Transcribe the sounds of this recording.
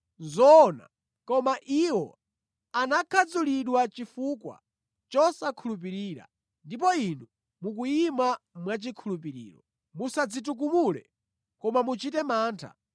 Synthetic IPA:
zɔna̰ | kɔmaʔiwɔ | anakʰad͡zuliɗwat͡ʃifukwa̰ | t͡ʃɔsakʰulup̬iɾiːɾa̰ | ndip̬ɔinu | muk̬uimamwat͡ʃikʰulup̬iɾḭːɾɔ | musad͡zituk̬umulɛ̰ | kɔmamut͡ʃitɛmaːntʰa̰

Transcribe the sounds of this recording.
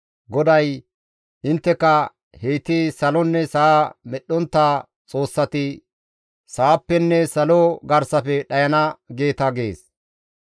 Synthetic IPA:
ɡɔd̪ɐj | ʔɪnt̪ːɛkɐ | heːt̪isɐlɔnːɛsamɛɗːɔnt̪ːaː | t͡sʼo̞ːsːɐt̪ɪ | saːpːɛnːɛsɐloɡɐɾsɐfɛɗɐjɐnɐɡe̞ːt̪ɐɡe̞ːs

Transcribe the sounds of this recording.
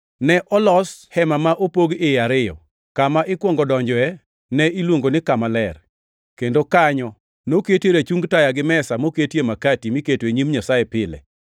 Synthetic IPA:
nɛʔɔlɔshɛmamaʔopoɡɪjaɾɪjɔ̰ | kamaʔɪkwɔŋɡɔdɔɲd͡ʒɔɛ | nɛilwoŋɡonɪkamalɛr | kendokaɲɔ | noketeɾet͡ʃuŋɡtajaɡɪmɛsamoketjemakatimɪketweɲimɲasaepɪlɛ̰

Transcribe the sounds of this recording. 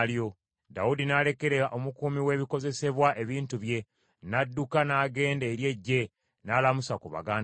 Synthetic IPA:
ljo̞ | da̰udinale̞ke̞ɾe̞ɾaʔo̞mukuːmiwe̞βiko̞ze̞se̞βwaʔe̞βiːntuβje̞ | nadːukanaːɡe̞ːndeːɾje̞ɟːe̞ | nalamusakuβa̰ɡaːn

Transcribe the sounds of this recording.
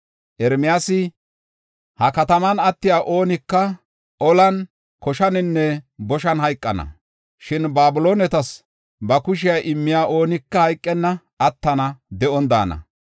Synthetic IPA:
ʔɛɾmɪjaːsɪ | hɐkɐt̪ɐmɐnɐt̪ːɪjaːʔo̞ːnɪkːɐ | ʔɔlɐn | kɔʃɐnɪnːɛbɔʃɐnɦɐjkʼːɐnɐ̰ | ʃɪnbaːbʊlo̞ːnɛt̪ɐs | bɐkʊʃ̬ɪjaːʔɪmːɪjaːʔo̞ːnɪkːɐhɐjkʼːɛnːɐ | ʔɐt̪ːɐnɐd̪ɛʔɔnd̪a̰ːnɐ̰

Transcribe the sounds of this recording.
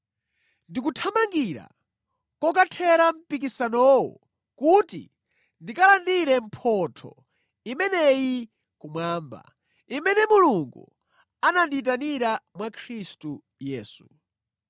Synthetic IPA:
ndik̬utʰamaŋɡiɾa̰ | kɔkatʰɛɾam̩pikisanɔwɔ̰ | kutḭ | ndikalandiɾɛm̩pʰɔtʰɔ̰ | imɛnɛji | kumwaːmba̰ | imɛnɛmuluŋɡṵ | anandit̬aniɾamwakʰɾistu | jɛːsu

